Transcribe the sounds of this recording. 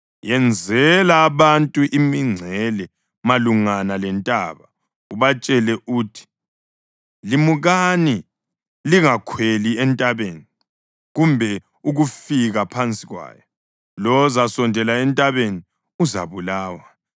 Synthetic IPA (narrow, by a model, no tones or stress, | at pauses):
jɛnd͡zʱɛlaːβantʼuʔimiŋ͡ǀʱɛlɛ | maluŋanalɛntʼaβa | uβat͡ʃʼɛlɛʔuːtʰi̥ | limuɣani | liŋakʰweliɛntʼaβeːni | ɣumbʱɛ | uɣufiɣapʰant͡sʼiɣwa̰ːjɔ | lɔzasɔndʱɛlaɛntʼaβeni | uza̰βulaːwa